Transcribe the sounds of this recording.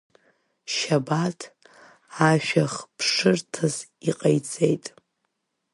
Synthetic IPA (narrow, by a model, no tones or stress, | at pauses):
ʃabatʰ | aʃᶣaχpʰʂɨrtʰaziqʼajt͡sʼejtʼ